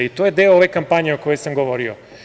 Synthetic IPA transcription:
it̪o̞je̞d̪e̞ooʋekampaɲeokojo̞jsamɡoʋo̞ɾio

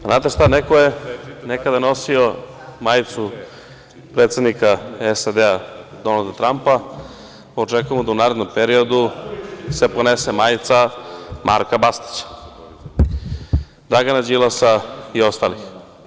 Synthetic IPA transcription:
aznaːt̪eʃt̪anekojenekad̪ano̞sio̞ | majt̪su | pɾe̞ːt̪se̞d̪nikaesad̪ead̪o̞nald̪at̪ɾampa | ot͡ʂekujmod̪aunaːɾed̪no̞mpeɾio̞d̪u | sepone̞semaːjt̪samʔa̰ɾkabast̪i̥t͡ɕḁ | d̪ɾaɡanad͡ʑilasaio̞st̪alix

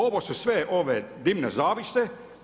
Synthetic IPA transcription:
oʋosusʋeʔoʋed̪imnezaːʋist̪e

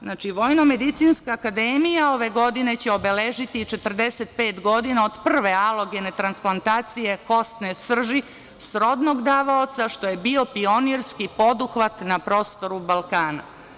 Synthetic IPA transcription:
znaːt͡ʃiʋoːjno̞me̞d̪it̪siːnskaːkad̪eːmijao̞ʋe̞ɡo̞d̪ine̞t͡ɕe̞o̞be̞leʒit̪it͡ʃe̞t̪r̩d̪e̞se̞t̪̚peːt̪ɡo̞d̪inao̞d̪pr̩ʋe̞alˠo̞ɡenet̪ɾansplˠant̪aːt̪sije̞ko̞st̪nesr̩ʒi | sɾo̞d̪no̞ɡd̪aːʋaot̪saʃt̪o̞je̞bio̞pioniɾskipo̞d̪uxʋat̪napɾo̞ːst̪o̞ɾubalkaːna̰

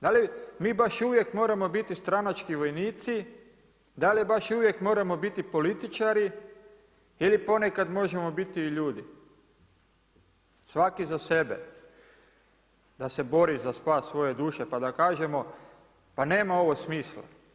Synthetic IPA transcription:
d̪alimiːbaʃuʋjekmo̞ːɾamo̞bit̪ist̪ɾanat͡ʃkiʋo̞jniːt̪si | d̪alibaʃuʋje̞kmo̞ːɾamo̞bit̪ipo̞lit̪it͡ʃaɾi | ilipo̞ne̞kad̪mo̞ʒe̞mo̞bit̪iːʎuːd̪i | sʋakizase̞bḛ | d̪ase̞bo̞ɾizaspaːsːʋo̞je̞d̪uːʃepad̪akaːʒe̞mo̞ | paneːmao̞ʋosmiːslˠa̰

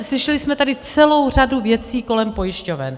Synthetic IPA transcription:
slɪʃɛlɪsmɛt̪adɪt͡sɛlowr̝aduvjɛt͡siːko̞lɛmpo̞jɪʃcovɛ̰n

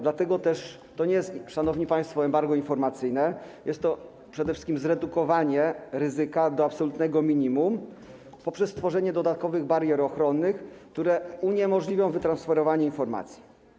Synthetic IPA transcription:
d̪lat̪ɛɡɔt̪ɛʂ | t̪ɔɲɛjɛst̪ʂanɔvɲipaj̃st̪fɔɛmbaɾɡɔinfɔɾmat̪sɘjnɛjɛst̪ːɔ | pʂɛd̪ɛfʂɘ̥kʲimzɾɛd̪ukɔvaɲɛɾɘzɘkad̪ɔapsɔlut̪nɛɡɔmʲiɲimum | pɔpʂɛsːt̪fɔʐɛɲɛd̪ɔd̪at̪̚kɔvɘɣbaɾjɛɾɔxɾɔnːɘxkt̪uɾɛuɲɛmɔʐlʲivʲjɔ̃w̃vɘt̪ɾansfɛɾɔvaɲɛinfɔɾma̰t̪sʲji̥

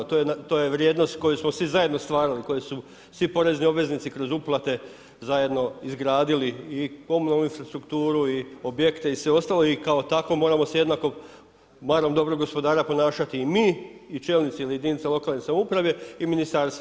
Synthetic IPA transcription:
t̪ojent̪oːjeʋɾje̞ːd̪no̞st̪ko̞jusmosʋizaje̞d̪no̞st̪ʋaːɾaliko̞jesu | sʋipo̞ɾe̞znio̞bʋe̞znit̪sikɾo̞zuplˠat̪e̞ | zaje̞d̪no̞izɡɾaːd̪iliiko̞munaluinfɾast̪ɾukt̪uːɾuio̞bje̞kt̪e̞isʋe̞ost̪aːlˠo̞ikaot̪akʋo̞mo̞ːɾamoseje̞d̪nako̞ | maːɾomd̪o̞bɾoɡo̞spod̪aːɾapo̞naːʃat̪iːmiːit͡ʃe̞lnit̪siilije̞d̪init̪salo̞kalˠnesamoupɾaʋje̞iminist̪aɾst̪a

